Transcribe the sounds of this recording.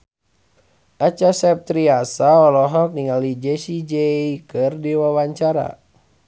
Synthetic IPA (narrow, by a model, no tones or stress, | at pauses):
ʔat͡ʃasɛp̚t̪ɾiasaɔlɔɦɔk̚niŋalid͡ʒɛsid͡ʒɛikɨrdiwawaɲt͡ʃaɾa̰